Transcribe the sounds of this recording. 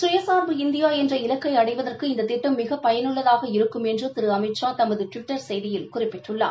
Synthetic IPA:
sʊjɐsaːɾbɯɪnd̪ɪjaːɛndrɐɪlɐkːɐɪɐɽɐɪʋɐðɐrkɯɪnd̪ɐt̪ɪʈːɐmːɪɣɐpɐjɐnʊɭːɐðaːɣɐɪɾɯkːɯmɛndrɯt̪ɪɾɯɐmɐɪt͡ʃːãːt̪ɐmːɐðɯʈʋɪʈːɐɾsɛjðɪjɪlkʊrɪpːɪʈːrɯɭːa̰ː

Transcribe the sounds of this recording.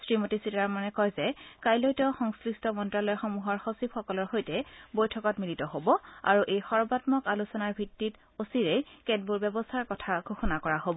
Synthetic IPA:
sɹimotisitaɹmanɛkɔjzɛkajlojtɔxɔŋskɹistɔmɔntɹalɔjxɔmuɦɔɹxosipxɔkɔlɔɹxojtɛbojtʰɔkɔtmilitɔɦobɔa̰ɹuʔejxɔɹbatmɔkalusɔnaɹbʱitːit | osiɹɛjkɛt̚buɹbɛbɔstʰaɹkɔtʰaɡʱuxunakɔɹaɦobɔ

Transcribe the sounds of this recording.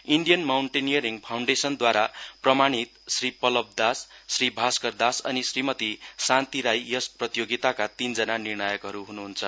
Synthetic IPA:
iɳɖijʌnmawɳʈenijʌɾiŋpʰawɳɖesʌnd̪waɾaprʌmaɽ̃it̪sripʌlʌb̚d̪asːribʱaskʌrd̪asʌ̰nisrimʌt̪isant̪iɾajjʌsprʌt̪joɡit̪akat̪ind͡zʌnanirɳʌjʌkɦʌɾuɦunuɦunt͡sʰʌ

